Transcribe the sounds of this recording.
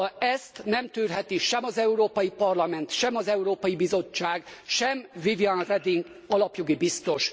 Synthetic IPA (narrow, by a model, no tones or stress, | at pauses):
ɛst̪nɛmt̪yːrɦɛt̪iʃɛmɒzɛuɾoːpɒjipɒrlɒmɛnt̪ʃɛmɒzɛuɾoːpɒjibizo̞t͡ʃːaːɡʃɛmvivianrɛd̪iŋɡ | ɒlɒpjo̞ɡibist̪o̞ʃ